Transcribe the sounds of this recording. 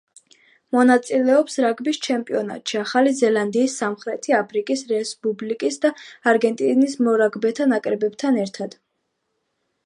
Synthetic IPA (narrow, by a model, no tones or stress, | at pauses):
mɔnat̪sʼilɛɔpsɾaɡbist͡ʃʰɛmpʼiɔna̰t̪ʃiaχalizɛlˠand̪iːsːamχɾɛt̪ʰiapʰɾikʼisɾɛspʼublikʼisd̪aːɾɡɛnt̪ʼinismɔɾaɡbɛt̪ʰanakʼɾɛbɛbt̪ʰanɛɾt̪ʰad̪̥